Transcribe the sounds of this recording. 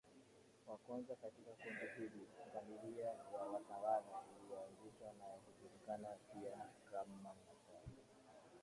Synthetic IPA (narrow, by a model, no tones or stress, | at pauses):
wakwanzakatikakundihiliɡamiɾiawawatawalauliɔanziʃwanawakuʄuɾikanapiakamanatali